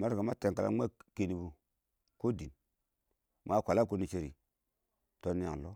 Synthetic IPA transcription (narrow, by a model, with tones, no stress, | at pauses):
ma˦ɾka˨ma˦te˨ŋka˨la̰˦mʷ˦a˦ke˨ni˨bu˨ | ko˦di˨n | mʷ˨˦a˦˨kʷa˨la˦ko˦ni˨t͡ʃe˦˨ɾḭ˨ | to˦ni˦a̰˨ŋ˨lo˦